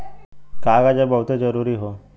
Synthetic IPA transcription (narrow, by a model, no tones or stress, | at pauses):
kaɡad͡ʑebəwt̪ed͡zəɾuːɾiːɦo